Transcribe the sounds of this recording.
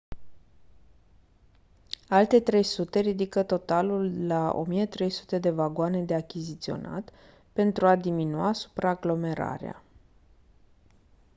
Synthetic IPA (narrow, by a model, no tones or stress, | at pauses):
alt̪e̞t̪ɾe̞jsut̪e̞ɾid̪ikət̪o̞t̪alulːao̞̰mijet̪ɾe̞jsu̥t̪e̞d̪e̞vaɡoane̞d̪e̞akʲizit̪sio̞̰nʔa̰t̪ | pe̞nt̪ɾuad̪iminuasu̥pɾaːɡlo̞me̞ɾa̰ɾḛa̰